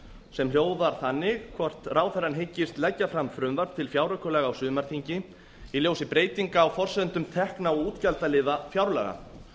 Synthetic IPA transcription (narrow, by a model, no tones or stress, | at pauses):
sɛmrjoːwðaɾ̥θanːɪɣkʰvɔr̥t̪raːwθɛranɦɪcːɪst̪lɛcːafɾamfɾʏmvaɾt̪ʰɪlfjaːwɾakɔlɛːɣawsʏːðmaɾ̥θiɲcɪ | iljoːwsɪpɾeːjt̪iŋkaːwfɔr̥sɛðnt̪ʏmt̪ʰɛhknawuːt̪calt̪alɪːðafjawɾlɛ̰ɣa̰